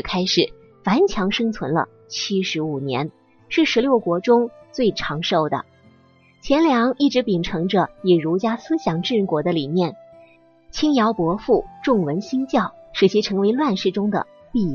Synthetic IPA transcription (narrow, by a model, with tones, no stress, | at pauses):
kʰa˥ɪʂɻ̩˨˩˦ | fa˧˥nt͡ɕʰjɑ˧˥ŋʂɤ˥ŋt͡sʰwə˧˥nlə̰˧ | t͡ɕʰi˥ʂɻ̩˧˥u˨˩njɛ̰˧˥n | ʂɻ̩˥˩ʂɻ̩˧˥ljo˥˩ʊkwɔ˧˥ʈ͡ʂʊ˥ŋt͡swe˥˩ɪʈ͡ʂʰɑ˧˥ŋʂo˥˩ʊd̪ə̰˩ | t͡ɕʰjɛ˧˥nljɑ˧˥ŋi˥˩ʈ͡ʂɻ̩˧˥pi˨˩ŋʈ͡ʂʰɤ˧˥ŋʈ͡ʂə˧ɛ˨˩ɻu˧˥t͡ɕja˥sɹ̩˥ɕjɑ˧˥˩ŋʈ͡ʂɻ̩˥˩˧kwɔ˧˥d̪ə˧li˨˩mjɛ˥˩n | t͡ɕʰi˥ŋjɑ˧˥ʊpwɔ˧˥fu˥˩ʈ͡ʂʊ˥˩ŋwə˧˥nɕi˥ŋt͡ɕjɑ˥˩ʊʂɻ̩˨˥˩t͡ɕʰi˧˥ʈ͡ʂʰɤ˧˥ŋwe˧˥ɪlwa˥˧nʂɻ̩˥˧ʈ͡ʂʊ˥ŋd̪ə̰˨˩ | pi˥˧